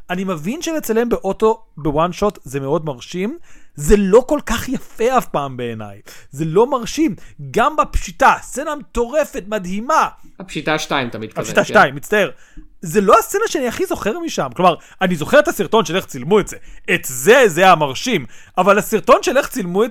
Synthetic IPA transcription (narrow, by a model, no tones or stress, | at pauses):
animevinʃelet͡sale̞mbe̞ʔo̞to̞bewanʃo̞tzemeo̞dmaʁʃimzelo̞ko̞lkaχjafe̞afpaːmbe̞ːna̰jze̞lo̞maʁʃimɡambapʃitast͡senamt̪o̞ʁe̞fe̞tmadhimaapʃit̪aʃtaimt̪amid̪̚kapʃit̪aʃtaimːitt͡st̪ae̞ʁ | zelo̞ast͡senaʃeaniaχizo̞χe̞ʁmiʃamklo̞maʁ | anizo̞χeet̪asiʁt̪o̞nʃeleχt͡silmuetzeetzezeamaʁʃimavalasiʁto̞nʃeleχt͡silmue